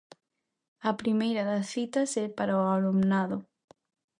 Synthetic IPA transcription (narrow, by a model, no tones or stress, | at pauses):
ɐpɾimejɾɐðasθit̪asɛpaɾaoalumnaðo